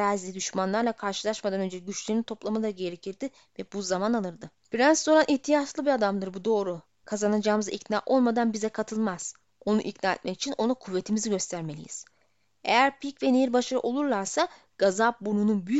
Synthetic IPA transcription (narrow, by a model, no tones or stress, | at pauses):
azʲid̪yʃmanlˠaɾlˠakʰaɾʃɯlˠaʃmad̪anø̞nd͡ʒɛɟyt͡ʃlʲenint̪ʰo̞plˠamɯlˠaɾɯɟe̞ɾecʰiɾd̪ɪ | vɛbuzamanalˠɯɾd̪ɯ | biɾanso̞ɾˠanʔiçt̪ʰijat͡ʃlˠɯbiad̪amd̪ɯɾbud̪o̞ːɾu | kʰazanad͡ʒaːmɯzaicna̰ːʔo̞lˠmad̪anbizɛkʰat̪ʰɯlˠmaz̥ | o̞nṵʔicnaːɛ̰t̪̚mɛcit͡ʃʰino̞nukʰuvːe̞t̪ʰimiziɟø̞st̪ʰæɾme̞lʲḭjḭz̥ | ejæɾpʰicvɛnejiɾbaʃaɾɯ̰ʔo̞lˠuɾlˠaɾsa | ɡ̥azap̚buɾnununbyjy